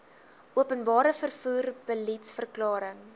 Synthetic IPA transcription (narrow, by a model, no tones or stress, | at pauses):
ʔuəpənbɑːɾəfərfuːrb̥əlitsfərklɑːɾəŋ